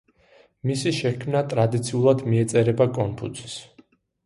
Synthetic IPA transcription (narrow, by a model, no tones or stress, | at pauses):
misiʃɛkʰmnat̪ʼɾad̪it̪sʰiulˠad̪miɛt̪sʼɛɾɛbakʼɔnpʰṵt̪ʰi̥s